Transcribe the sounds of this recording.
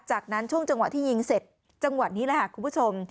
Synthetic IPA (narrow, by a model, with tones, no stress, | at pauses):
t͡ɕaː˨˩k̚na˦˥nt͡ɕʰu˥˩əŋt͡ɕa˧ŋwa˨˩t̪ʰiː˥˩ji˧ŋse˨˩t̪̚ | t͡ɕa˧ŋwa˨˩t̪̚niː˦˥lɛ˨˧˦ha˨˩kʰu˧pʰu˥˩o˧m